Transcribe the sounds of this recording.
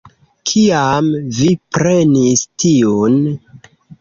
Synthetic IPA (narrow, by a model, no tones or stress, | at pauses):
kʰiamvipɾe̞nistʰion